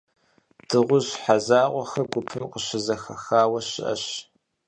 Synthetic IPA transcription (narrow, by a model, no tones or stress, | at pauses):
d̥ɨʁʷʊʑħazaːqʷɔxɐɡʷʊpʰɨmqəɕɪzɐxɐxaːwɐɕɪ̰ʔɐ̰ɕ